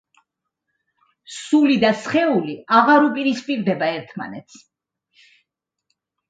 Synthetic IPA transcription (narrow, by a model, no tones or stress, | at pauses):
sulid̪asχɛuliaʁaɾupʼiɾispʼiɾd̪ɛbaɛɾt̪ʰma̰nɛt̪s